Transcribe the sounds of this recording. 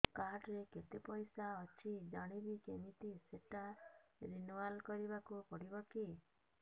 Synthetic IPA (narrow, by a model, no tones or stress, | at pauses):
kaʈɾeket̪epɔjsaɔt͡ʃʰid͡ʒaɽ̃ibikemit̪iseʈaɾinualkɔɾibakupɔɽibɔki